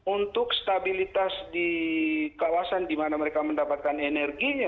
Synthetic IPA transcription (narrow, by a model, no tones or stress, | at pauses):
unt̪ʊkst̪abilit̪asdikawasandimanaməɾekaməndapat̪̚kanenɛrɡiɲa